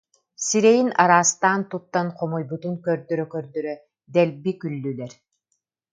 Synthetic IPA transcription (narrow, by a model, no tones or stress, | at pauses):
siɾɛjinaɾaːst̪aːnt̪ut̪ːanqɔmujbut̪unkœɾd̪œɾœkœɾd̪œɾœ | d̪ɛlbikylːylɛɾ